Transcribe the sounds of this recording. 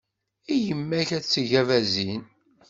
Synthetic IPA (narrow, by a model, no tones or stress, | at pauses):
ijəmːæçæt͡sːʝævæzin